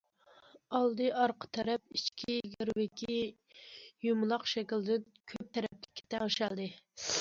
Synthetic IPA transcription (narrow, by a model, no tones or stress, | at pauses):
ɑlˠd̪ɨʔɑɾqʰə̥t̪ʰɛɾɛp̚it͡ʃkʲʰiɡʲeɾwɪkʲʰi | jumlˠɑqʃɛkʲilˠd̪ɪn | kʲʰøp̚t̪ʰɛɾɛplɪ̥kʲʰːi̥t̪ʰɛŋɨʃɛlˠd̪ɨ